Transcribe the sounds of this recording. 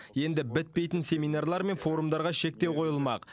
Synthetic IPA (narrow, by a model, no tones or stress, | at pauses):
je̞nd̪ɪbɪt̪̚pe̞jt̪ɪnsʲe̞mijnɑrlˠɑɾme̞nfo̞ɾumd̪ɑɾʁɑʃe̞k̚t̪e̞wqʰo̞jəlˠmɑq